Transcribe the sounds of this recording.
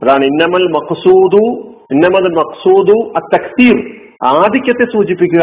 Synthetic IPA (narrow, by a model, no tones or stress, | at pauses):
pɐðaːɳinːɐmɐlmɐqsuːd̪u | inːɐmɐðɐlmɐqsuːd̪uɐt̪ːɐksiːɾ | aːd̪ʱikʲjɐt̪ːesuːt͡ɕipːikʲːuɣɐ